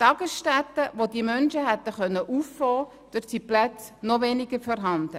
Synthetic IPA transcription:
tɑɡ̥əsʃtɛtːəʋodimœnʃəɦɛt̪ːəχœnːəʔuffɔː | d̥øtsiplæt͡s | noʋenɪɡ̥əɾfɔɾɦɑnd̪̥ə

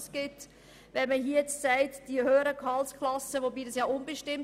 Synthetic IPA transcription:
sɡ̥ɪt | vɛnməɦiːɛt͡ssæɪtd̥iəhøːəɾəkʰɑlskʰlɑsəʋobiːdɑsjɑːʊnbəʃtɪm

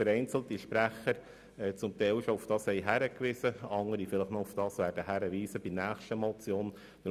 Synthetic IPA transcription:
əɾɛɪnt͡sl̩ˠt̪iʃpɾæχːəɾ | ɛːt͡sʊmt̪ɛɪlʃɔʊfd̥ɑːshɛɪɦæɾəkʋɪsəɑŋəɾifɪləχnɔʊfd̥ɑːsʋæːɾdəɦæɾəʋiːsəb̥inæːχʃtəmɔt͡sjoːn | ʋɪl

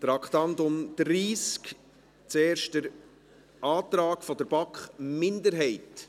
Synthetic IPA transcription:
t̪ɾɑkχtɑnt̪ʊmd̪̥ɾiːsk | t͡seːɾʃt̚dəɾ | ʔɑːtɾaːkfɔdəɾb̥ɑkχmɪndəɾɦɛɪt

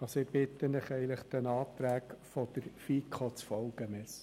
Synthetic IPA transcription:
ɑsɔɪb̥ɪt̪ːənɪχɛɪələχd̥̪ɛnɑːt̪ɾæːkfɔd̥̪əɾfiːkχot͡sfɔlɡ̥əmɪs

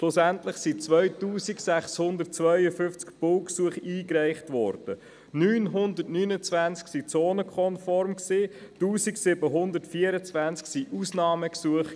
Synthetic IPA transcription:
ʃlosæntləχsit͡sʋœɥtuːsiksæχshʊnd̪ərt̚t͡svœʏəfʏft͡skpʊlksuəχiːkɾɛɪχtʋɔ̰ːɾd̥ə | nyːnɦʊndərtnyːnət͡svænt͡sksit͡soːnəkχɔnfɔɾmksiːtuːsiksɪbəɦʊnd̪ətfiəɾət͡svænt͡sksiʔusnɑːməksuəχ

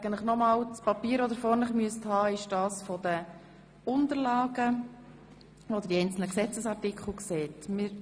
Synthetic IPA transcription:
ɛɡən̩tlɪχnɔmɑːlt͡spɑpiːɾɔd̪əɾfɔɾnəχmyəsthɑːɪʃd̥ɑːsfɔd̥ə | ʊnt̪əɾlɑːɡə | od̪əɾd̥iɛɪnt͡sl̩nəksɛt͡səsɑrtɪkχl̩kseːtmɪːɾ

